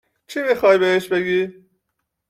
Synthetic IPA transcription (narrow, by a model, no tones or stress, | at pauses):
t͡ʃʰimixɒːjbeɦeʃbeɡiː